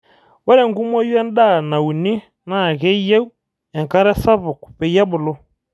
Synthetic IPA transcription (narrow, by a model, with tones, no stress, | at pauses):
wɛ˦ɾɛ˦˨ŋɡu˦mɔ˦jwɛ˦n˦da˦˨na˨u˨ni˦ | na˦˨ɣɛ˦i˦jɛ˦u˦ | ɛ˨ŋka˦ɾɛ˦sa˦βɔ˨ku̥˨pɛ˨˦a˦bʊ˨lɔ˦